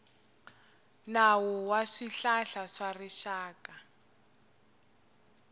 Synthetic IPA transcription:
nawɔwaʂiɬaɬaʂariʃaːkʼa

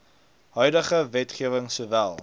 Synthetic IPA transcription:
ɦœɥdəχəvɛtχiəvəŋsuːvælˠ

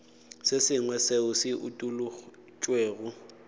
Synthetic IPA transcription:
sɪsɪŋwɛseʊsɪʔʊtʼulʊ | t͡ʃʼweːɣʊ

